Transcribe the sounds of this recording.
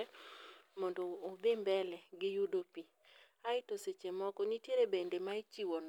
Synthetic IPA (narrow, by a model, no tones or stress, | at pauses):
mɔndɔːbembɛlɛɡɪjudopi | aɪtoset͡ʃemɔkɔnitjeɾebendemait͡ʃiwɔn